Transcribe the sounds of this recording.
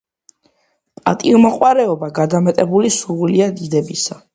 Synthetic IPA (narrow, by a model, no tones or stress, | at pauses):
pʼa̰t̪ʼimɔqʼwaɾɛɔbaɡad̪amɛt̪ʼɛbulisuɾvuliad̪id̪ɛbisa